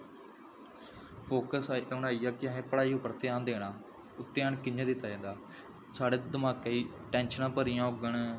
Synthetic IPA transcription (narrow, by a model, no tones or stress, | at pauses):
pʰoːkəsaiʊɳaːiːaːkɪəɦẽːpəɽaːiːʊpːəɾt̪ɪjaːnd̪eːɽaː | ʊt̪ːɪjaːɳkɪɲãːd̪ɪt̪ːaːd͡ʒẽːnd̪aː | saːɽeːd̪əmaːkeːiː | ʈɛ̃ːnʃənãːpəɾɪjãːʊɡəɳ